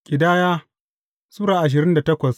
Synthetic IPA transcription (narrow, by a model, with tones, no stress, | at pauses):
kʲʼɪ˨daː˦jaː˦ | su˦ɽaː˨ʔa˨ʃ̬ɪ˨ɾɪ˦nda˨tɐ˦kʷɐ˨s